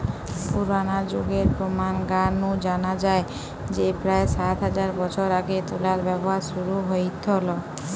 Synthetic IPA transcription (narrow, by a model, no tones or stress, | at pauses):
puɾanad͡ʒoɡeɾpɾomanɡanud͡ʒanad͡ʒae | d͡ʑepɾaesat̪ɦad͡ʒaɾbɔt͡ɕʰoɾaɡet̪ulaɾbɛbɔɦaɾʃuɾuɦoit̪ɦolɔ